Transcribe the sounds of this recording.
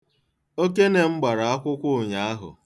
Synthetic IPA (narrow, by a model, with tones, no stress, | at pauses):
o˦ke˦ne˨ŋ͡m̩˦ɡ͡ba˨ɾa˨a˦kʷʊ˦kʷʊ˦˨ɲa˨˦a˦ɦʊ̰˨